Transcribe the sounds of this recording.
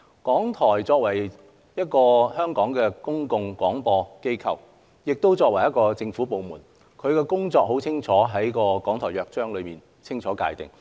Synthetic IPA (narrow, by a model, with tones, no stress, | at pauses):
kɔː˨˥ŋt̪ʰɔː˨˩jt͡sɔː˧k̚wɐ˨˩j | jɐ˥t̚kɔː˧hœː˥ŋkɔː˨˥ŋkɛː˧kʊ˥ŋkʊ˧ŋkwɔː˨˥ŋpɔː˧ke˥jkʰɐ̰˨w | jɪ˨k̚t̪o˥wt͡sɔː˧k̚wɐ˨˩jɐ˥t̚kɔː˧t͡sɪ˧ŋfuː˨˥po˨˧wmuː˨˩n | kʰɵ˨˧ɥkɛ˧kʊ˥ŋt͡sɔː˧k̚ɦo˨˥wt͡sʰɪ˥ŋt͡ʃʰɔː˨˥ɦɐ˨˥jkɔː˧kɔː˨˥ŋt̪ʰɔː˨˩jœː˨˧k̚t͡ʃœː˥ŋlɵ˨˧ɥmiː˨˩n | t͡sʰɪ˥ŋt͡ʃʰɔː˨˥ka̰ː˧jt̪ɪ̰˨ŋ